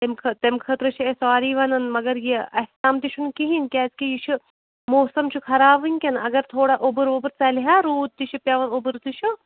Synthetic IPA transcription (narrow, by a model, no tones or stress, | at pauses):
t̪emkʰɐt̪emkʰɐt̪ɾɨt͡ʃʰiesaːɾiːʋɐnɐnmɐɡɐɾjiɐt̪amt̪iʃʰunkiɦinkʲaːskijit͡ʃʰu | moːsɐmt͡ʃʰukʰɐɾaːbɨnʲkʲɐnɐɡɐɾt̪ʰoːɽaʔobɨɾʋobɨɾt͡sɐliɦaːɾuːd̪̚t̪iʃʰipʲjɐʋɐnobɨɾt̪iʃʰu